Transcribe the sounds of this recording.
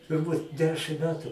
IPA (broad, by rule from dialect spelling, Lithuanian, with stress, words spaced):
tʊrˈbuːt ˈdʲæːʃʲɪm ˈmʲæːtʊ